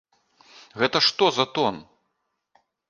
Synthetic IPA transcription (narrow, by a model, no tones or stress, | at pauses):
ɣɛt̪ɐʂt̪ɔzɐt̪ɔn